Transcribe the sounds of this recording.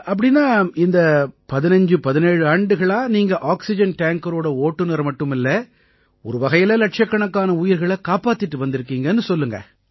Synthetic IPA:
ɐp̬ːɐɽɪnːaːɪnd̪ɐpɐðɪnɐɲd͡ʒɯpɐðɪneːɻɯaːɳɖɯɣɐɭaːniːŋɡɐʔaːksɪd͡ʒɐnʈaːŋkɐɾoːɽɐoːʈːɯnɐɾmɐʈːɯmɪlːɐ | ɔɾɯʋɐɣɐjɪlɐlɐʈ̚t͡ʃɐkːɐɳɐkːaːnɐʊjɪɾɣɐɭɐkaːpaːt̪ːɪʈːɯʋɐnd̪ɪɾɯkːiːŋɡɐnːɯsɔlːɯŋɡɐ̰

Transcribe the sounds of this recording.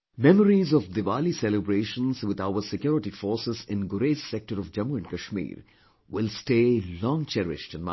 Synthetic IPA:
mɛməɾizɔfd̪ɪʋaːlisɛlɪbɾeːʃə̃nzʋɪd̪aʊəɾsɪkjɔːɾɪʈifɔːɾsɪzɪ̃nɡʊɾeːssɛk̚ʈəɾɔʋd͡ʒɐ̃muɛ̃nɖkɐʃmḭːɾ | wɪlsʈeːlɔ̃ːŋt͡ʃɛɾɪ̰ʃʈɪ̃nma̰

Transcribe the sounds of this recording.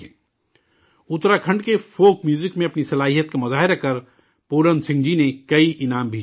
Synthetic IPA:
ʊt̪ɾakʰɐ̃ɳɖkefoːkmjuːzɪkmẽɐpnisɐlaːɦijət̪̚kamʊzaːɦɪɾakɐɾ | poːɾənsɪ̃ŋɡd͡ʒinekɐiʔɪnaːmbʱeːd͡ʒ

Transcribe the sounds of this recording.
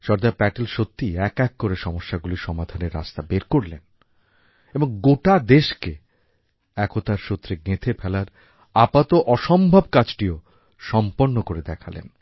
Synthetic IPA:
ʃɔɾd̪apɛʈelʃot̪ːiɛkɛkːoɾeʃɔmoʃːaɡuliʃɔmad̪ʱaneɾːa̰st̪abeɾkoɾlen | eboŋɡoʈad̪eʃke | ɛkʰot̪aɾʃot̪ːɾeɡet̪ʰepʰɛlaɾ | apat̪oʔɔʃɔmbʱabkad͡ʑʈio | ʃɔmponːokoɾed̪ɛkʰalḛn

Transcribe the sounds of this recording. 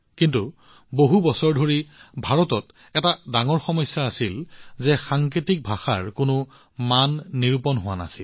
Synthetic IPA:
kintu | boɦubɔsɔɹdʱoɹibʱaɹɔtɔt | ɛtadaŋɔɹxɔmɔjsːaːsilzɛxaŋk̬itik̚bʱaxa̰ɹkʊnʊ | manːiɹupɔnɦʊwana̰sḭl

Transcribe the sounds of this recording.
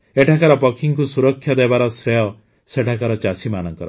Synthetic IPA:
eʈʰakaɾɔpɔkʰiŋkusuɾɔkʰːjad̪ebaɾɔsɾejɔ | seʈʰakaɾɔt͡ʃasimanɔŋkɔɾɔ

